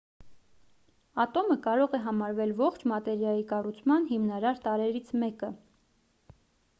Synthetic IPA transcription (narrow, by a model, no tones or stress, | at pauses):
ɑt̪ɔməkɑɾɔʁɛɦɑmɑɾvɛlvɔχt͡ʃʰmɑt̪ɛɾjɑjikɑrut͡sʰmɑnɦimnɑɾɑɾt̪ɑɾɛɾit͡sʰmɛkə